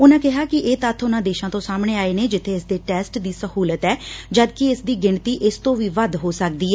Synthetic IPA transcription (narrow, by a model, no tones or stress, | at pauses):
ʊnãːkɪɦaːkɪʔeːt̪ət̪ʰːʊnãːd̪eːʃãːt̪õːsaːmɳeːaːeːneːd͡ʒɪt̪ʰːeːɪsd̪eːʈɛːsʈd̪iːsəhuːlət̪ɛːd͡ʒəd̪kɪɪsd̪iːɡɪɳt̪iːʔɪst̪õːʋiːʋəd̪ɦoːsək̚d̪iːɛ